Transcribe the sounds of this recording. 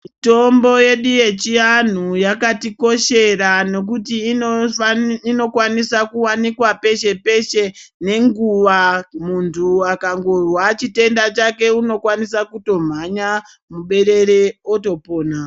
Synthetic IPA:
to̞mbo̞je̞ɗuje̞t͡ʃian̤ujakatiko̞ʃe̞rano̞k̬uti | ino̞kwanisakuwanikwape̞ʃe̞pe̞ʃe̞ne̞ŋɡuʋamuntʰuakaŋɡorwat͡ʃite̞ndat͡ʃake̞uno̞kwanisakuto̞m̤aɲa | muɓe̞ɾe̞ɾeoto̞po̞ːna

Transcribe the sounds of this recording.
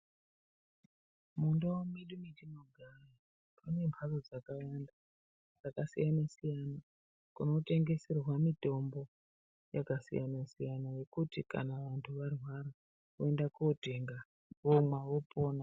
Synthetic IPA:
mundawomiɗumitinoɡʱara | pʰane̞mpʰarod͡zakawanda | d͡zakasḭjanasijana | kuno̞te̞ŋɡe̞serwamito̞mbo̞ | jakasḭjanasijanaje̞kutika̰naʋantʰuʋarwaɾa | oe̞ndakuote̞ŋɡa | ʋomwaʋo̞po̞ːna

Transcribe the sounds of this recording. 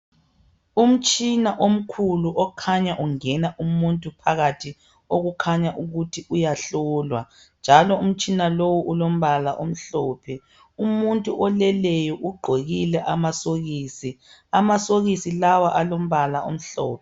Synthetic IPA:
um̩t͡ʃʼinaʔom̩kʰuluʔɔkʰaɲaʔuŋɛnaʔumuntʼupʰaɣatʰi | oɣukʰaɲaʔuɣutʰiʔujaɬɔːlwa | nd͡ʒʱalɔum̩t͡ʃʼinalowuʔulom̩βalaʔom̩ɬɔːpʰɛ | umuntʼuʔɔlɛlɛjɔʔuɡ͡ǃʱeɣilɛʔamasoɣiːsi | amasoɣisilawaʔalom̩βalaʔo̰m̩ɬɔ̰ːpʰɛ

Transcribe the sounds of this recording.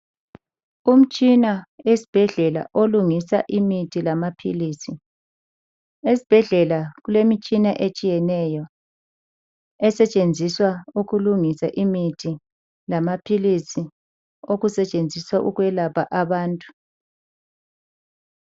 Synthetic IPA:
um̩t͡ʃʼinaesi̥b̥ʱɛɮɛla̰ʔoluŋisa̰ʔimitʰilamapʰiliːsi | esi̥b̥ʱɛɮɛlaɣulemit͡ʃʼinaʔet͡ʃʼijɛnɛjɔ | ɛsɛt͡ʃʼend͡zʱiswauɣuluŋisaʔimitʰi | lamapʰilisi | oɣusɛt͡ʃʼend͡zʱiswaʔuɣwɛlapʰaʔaβaːntʼu̥

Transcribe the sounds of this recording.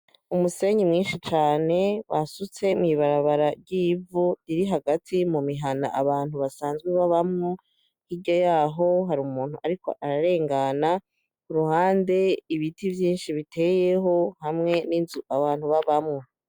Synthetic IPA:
umuse̞ɲimŋiːnʃit͡ʃaːne̞βasut͡se̞mŋiβaɾaβaɾaɾɟiːvuɾiɾiɦaɡatʰimumiɦana̰ʔaβaːn̥huβasaːnzɡweβaβamŋo | hiɟojaːɦo̞ɦaɾumuːn̥huʔaɾiko̞̰ʔaɾaɾe̞ːŋɡana | kuɾuhaːnde̞iβitivjiːnʃiβitʰe̞je̞ɦo̞hamŋe̞ninzuʔaβaːn̥huβaβamŋo

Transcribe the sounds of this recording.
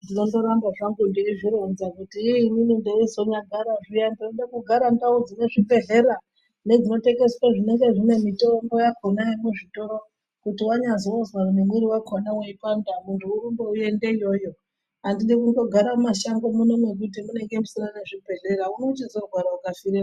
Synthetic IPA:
dino̞ndo̞ɾambaʐaŋɡundiriʐiɾonzakutiːninindeizo̞ɲaɡʱaɾaʐijandadekuɡʱaɾandaud͡zineʐibʱe̞ɮe̞ɾa | ne̞d͡zino̞te̞ŋɡe̞swaʐine̞ŋɡe̞ʐine̞mitombo̞jakonaimuʐito̞ɾo̞ | kutiwaɲazoozwakunemwiɾiwakʰonaweipandamuntʰuːrumbouje̞nde̞ijo̞jo̞ | ɦandiɗikundo̞ɡʱaɾamaʃaŋɡomuno̞mwe̞k̬ut̬imune̞ŋɡe̞musinane̞ʐibʱe̞ɮe̞ɾaunout͡ʃizoɡʱwaɾaukafiɾe

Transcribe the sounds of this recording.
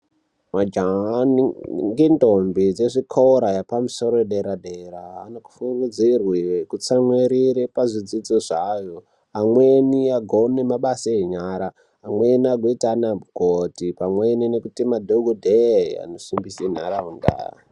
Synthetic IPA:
mad͡ʒaniŋɡendombid͡zeʐikʰoɾajapamuso̞ɾoeɗeɾaɗeɾaːnoku̥furud͡zirwikut͡samweɾiɾepaʐid͡zid͡zoʐaːjo | amweniaɡʱonemaɓasaeɲaɾaː | mweniaɡʱoitanauɡʱotipamweninekutimadʱoɡʱodʱea̰nosimbisen̤a̰ɾaɦunda̰ːja̰

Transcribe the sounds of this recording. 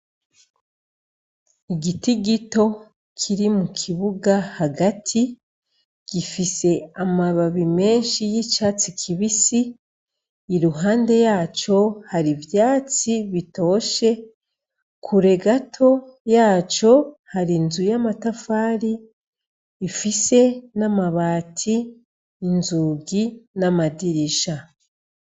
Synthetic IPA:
iɡitiɡito̞ | kʰiɾimukʰiβuɡahaɡatʰi | ɡ̥ifise̞amaβaβime̞ːnʃijit͡ʃaːt͡sikʰiβisiː | ɾuɦaːnde̞jaːt͡ʃo̞haɾivjaːt͡siβito̞ːʃe̞ | kʰuɾe̞ɡatʰo̞jaːt͡ʃo̞haɾinzujamatafaːɾiː | fise̞namaβaːtʰiː | nzuɡinamadiɾiʃa

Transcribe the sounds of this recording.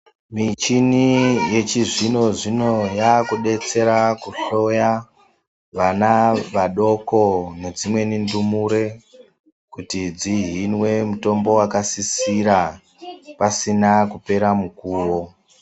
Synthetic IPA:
mit͡ʃinije̞t͡ʃiʐino̞ʐino̞jakuɗe̞t͡se̞ɾakuɬo̞ja | ʋanaʋaɗo̞ko̞ne̞d͡zimwe̞nindumuɾe̞ | kutid͡ziɦinwe̞muto̞mbo̞wakasisiɾa | pasinakupe̞ɾamukuːwo̞

